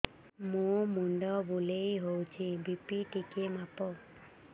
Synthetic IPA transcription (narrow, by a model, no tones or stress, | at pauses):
mũmuɳɖɔbulejɦowt͡ʃʰibipiʈikemapɔ